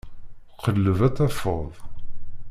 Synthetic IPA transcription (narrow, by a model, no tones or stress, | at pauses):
qʰːəlːəvæt͡sːæfəðˤ